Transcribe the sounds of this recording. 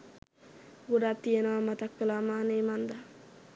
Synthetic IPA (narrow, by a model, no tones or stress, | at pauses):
ɡuɖat̪ːijenəʋamat̪ɐkːəlamaːneːmand̪a